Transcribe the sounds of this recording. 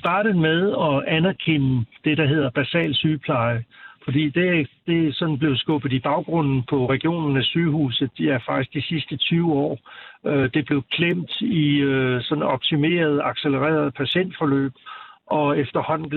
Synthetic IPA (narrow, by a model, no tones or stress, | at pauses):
sd̥ɑ̈ːɾ̥əð̩ˠmeð̞ˠɒ̽ænæɐkʰenəd̥e̝ɾ̥ɑ̈ɦe̝ð̞̰ˠɐb̥æsɛ̰ːlsyːpʰlɑ̈ɪəfɒ̽d̥ḭːd̥e̝d̥e̝sɒ̽nn̩b̥le̝ʊsɡ̥ɔ̽b̥ð̩ˠib̥ɑ̈ʊɡ̥ʁɔ̽n̰n̩pʰɒ̽ʁɛɡ̥ijo̝̰ːnn̩æsyːhṵːsð̩ˠd̥iæɐfɑ̈ɡ̥isɡ̥̚d̥isisd̥ət͡sʰyːʊɒ̰ːød̥e̝b̥le̝ʊkʰlem̰d̥isɒ̽nɒ̽b̥̚t͡sʰime̝̰ːɐð̞̩ˠɑ̈ɡ̥seləʁɛ̰ːɐð̞ˠpʰæɕen̰d̥fɒ̽lø̰ːb̥ʔɒ̽efd̥ɐhɒ̽n̰n̩